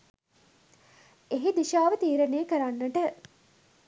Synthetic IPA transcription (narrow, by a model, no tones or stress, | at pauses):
eɦid̪iʃaːʋət̪iːɾeneːkəɾanːəʈə